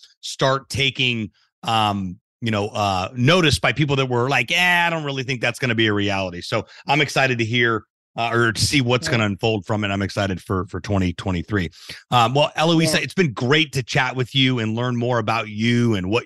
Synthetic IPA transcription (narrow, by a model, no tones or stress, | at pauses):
stɑɹtʰeɪkɪ̃ŋ | ʌ̃m | jɨñoʊʔʌnoʊɾɨsb̥aɪpip̬l̩ˠðɨt̚wə˞laɪkaɪæaadõʊ̃nt̚ɹɪlˠiθɪ̃ŋk̚ðætsɡ̥ʌñɨbiɨɹiælˠəɾisoʊʔãɪ̃mɨksaɪɾɨd̚tɨɦiɹ | ʌə˞ɾɨsiwʌtsɡ̥ʌnɨɨ̃ɱfoʊlˠd̥fɹʌ̃mɨɾ̃ãɪ̃mɨksaɪɾɨd̥fə˞fə˞tʰw̥ɛ̃ɾ̃itʰw̥ɛ̃ɾ̃iθɹiʌmwɛlˠʔɛlˠəizɨɨtsb̥ɨ̃nɡɹeɪtʰɨt͡ʃʰæʔ̚wɨðjʉɨ̃nlɜ̃˞nmɔɹɨbaʊt͡ʃʉɨ̃nwʌ